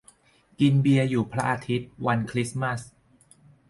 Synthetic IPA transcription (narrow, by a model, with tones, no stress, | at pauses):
ki˧nbi˧ɐjuː˨˩pʰɾa˦˥ʔaː˧t̪ʰi˦˥t̪̚wa˧nkʰɾi˦˥sma˥˩s